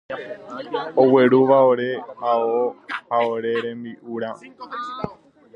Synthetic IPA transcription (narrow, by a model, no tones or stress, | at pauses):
oweɾuʋaoɾe̞aohaoɾe̞ɾẽmbiʔuɾa